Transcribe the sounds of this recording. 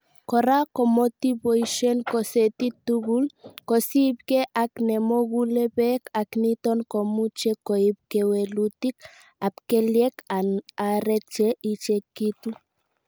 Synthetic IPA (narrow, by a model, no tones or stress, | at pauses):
kɔɾakomot̪ibojʃenkɔset̪it̪uɣulkosib̚keʔaknemoɣulebɛkaknit̪ɔnkomut͡ʃɛkoib̚kewelut̪ik | apkeljɛkanaɾɛt͡ʃɛit͡ʃekit̪u